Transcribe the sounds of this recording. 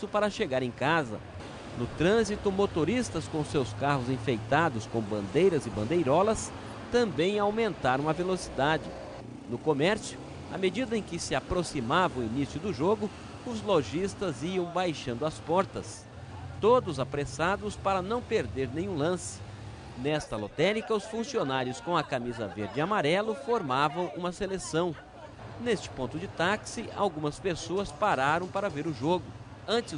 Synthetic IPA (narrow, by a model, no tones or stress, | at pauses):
ʊpaɾɐʃeɡaɾẽj̃kazɐ̰ | nʊt̪ɾɐ̃zit̪ʊmot̪oɾist̪ɐskõsewskahʊzẽfejt̪ad̪ʊskõw̃bɐ̃nd̪ejɾɐzɪbɐ̃nd̪ejɾɔlɐs | t̪ɐ̃mbẽj̃awmẽnt̪aɾɐ̃w̃ɐvelosid̪ad͡ʒɪ | nʊkomɛɾsjʊ | a̰med͡ʒid̪ɐẽj̃kɪsɪapɾosimavɐ̃w̃inisjʊd̪ʊʒoɡʊ | ʊzloʒist̪ɐziɐ̃w̃bajʃɐ̃nd̪ʊɐspɔɾt̪ɐs | t̪od̪ʊzapɾesad̪ʊspaɾɐnɐ̃w̃peɾd̪eɾnẽɲ̃ũlɐ̃sɪ̥ | nɛst̪ɐlot̪ɛɾikɐʊsfũsionaɾjʊskõɐkamizɐ̰veɾd͡ʒɪamaɾɛlʊfoɾmavɐ̃w̃ũmɐselesɐ̃w̃ | nest͡ʃɪ̥põnt̪ʊd͡ʒɪt̪aksɪʔa̰wɡũmɐspesoɐspaɾaɾɐ̃w̃paɾɐveɾʊʒoɡʊ | ɐ̃t͡ʃɪ